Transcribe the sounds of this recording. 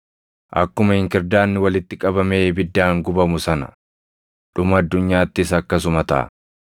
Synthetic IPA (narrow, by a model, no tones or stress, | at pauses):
ʔɐkːʊmɐhɪŋkɪɾd̪aːnːɪwɐlɪt̪ːɪkʼɐbɐme̞ːbɪd̪ːaːŋɡʊbɐmʊsɐnɐ̰ | ᶑʊmɐd̪ːʊɲːaːt̪ːɪsɐkːɐs̬ʊmɐt̪ɐ̰ʔɐ̰